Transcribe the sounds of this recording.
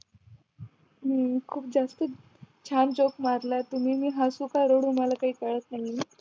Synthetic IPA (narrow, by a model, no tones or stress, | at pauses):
ɦəkʰuːpd͡zast̪ə | t͡ɕʰand͡ʑokmaɾlat̪um̤iːmiːɦasukaɾoɽumalakaɦiːkəɭət̪naɦi